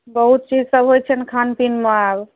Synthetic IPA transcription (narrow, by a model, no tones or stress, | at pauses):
bəɦut̪̚t͡ʃid͡ʒsəbɦojt͡ʃʰɛnkʰanpinmaab